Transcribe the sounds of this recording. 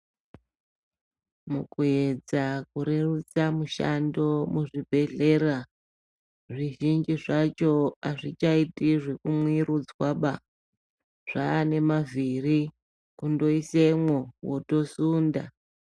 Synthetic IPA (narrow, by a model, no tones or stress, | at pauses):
mukue̞d͡zakuɾe̞rut͡samuʃa̰ndo̞muʐibʱe̞ɮe̞ra | ʐiʒind͡ʒiʐat͡ʃo̞aʐit͡ʃaitiʐe̞kumwiɾud͡zwaɓa | ʐ̥aːne̞maviri | kundo̞isemwowo̞to̞suːnda̰